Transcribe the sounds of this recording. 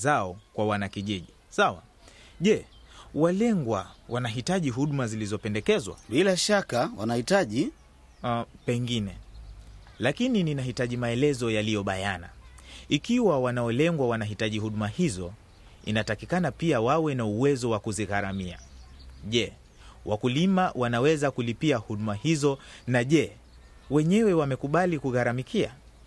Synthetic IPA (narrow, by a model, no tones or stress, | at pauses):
zaɔkwawanakiʄiʄi | sawa̰ | ʄɛ | walɛŋɡwawʔanaɦitaʄiɦuɗumazilizɔpɛndɛkɛzwa̰ɓilaʃakawanahitaʄi | pɛŋɡinɛ | lakinininaɦitaʄimaɛlɛzɔjalijɔɓajana̰ikiwawanaɔlɛŋɡwawanaɦitaʄihuɗumahizɔ | ḭnatakikanapiawawɛnauwɛzɔwakuziɣaɾamia̰ʄɛ | wʔakulimawʔanawɛzakulipiahuɗumahizɔnaʄɛ | wɛɲɛwɛwamɛkuɓalikuɣaɾamikʰia